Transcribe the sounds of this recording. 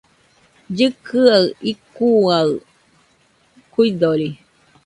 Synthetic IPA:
d͡ʒɨkʰɨaikuaɨ | kuid̪oɾi

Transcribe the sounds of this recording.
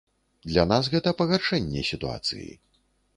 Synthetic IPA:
d̪lʲanasɣɛt̪ɐpɐɣaʂɛnʲːɛsʲit̪ua̰t̪sɨ̰jḭ

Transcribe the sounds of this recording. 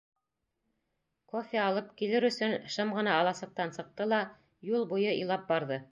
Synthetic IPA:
kofʲeɑlˠɤpkilɘɾɵ̆sɵnʃɤmʁɤ̆nɑːlˠɑsɤ̆q̚t̪ɑnsɤ̆q̚t̪ɤlˠɑ | julˠbujɤḭjlˠɑp̚bɑɾðɤ

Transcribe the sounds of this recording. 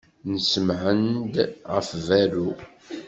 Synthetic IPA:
nəsəmʕənd̪ʁə̰fvæɾu

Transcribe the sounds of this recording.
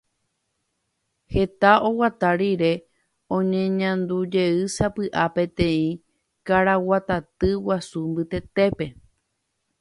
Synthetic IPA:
he̞t̪ao̞wat̪aɾiɾe̞ | õ̞ɲẽɲãnd̪ud͡ʒe̞ɨsapɨʔapẽ̞t̪ẽ̞ĩ | kaɾawat̪at̪ɨwasumbɨt̪e̞t̪e̞pe̞

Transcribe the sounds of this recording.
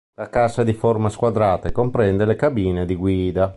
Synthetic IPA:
lakasad̪iformaskwad̪ɾaːt̪ekompɾɛnd̪elekabiːned̪iɡwiːd̪a

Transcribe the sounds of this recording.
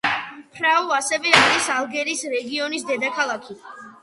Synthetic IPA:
pʰɾauasɛvɛaɾisalˠɡɛɾiːsɾɛɡiɔnisd̪ɛd̪akʰalˠakʰi

